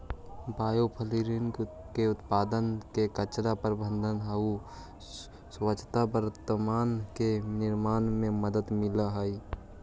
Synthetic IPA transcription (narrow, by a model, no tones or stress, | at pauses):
baːjopʰəliːɾin | keʊt̪paːd̪ənkekət͡ʃɽapəɾbə̃nd̪ʱənɦəu | swət͡ʃʰt̪abəɾət̪ːəmaːnkenɪɾmaːnmẽməd̪əd̪mɪlaɦəi